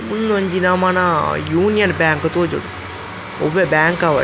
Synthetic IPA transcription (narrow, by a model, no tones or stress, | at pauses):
mʊnːɐɲd͡ʒinaːmaːnaːjuːnɪjɐnbaːŋkɐt̪oːd͡ʒɐ̰ɽu | ɔʋebaːŋkaːʋa̰